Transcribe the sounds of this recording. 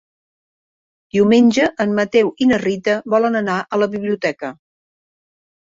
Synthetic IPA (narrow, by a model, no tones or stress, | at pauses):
d̪̥iumenʲʒəʔəmːət̪ɛwinərit̪əβɔlənənaʔələβiβliut̪ɛkə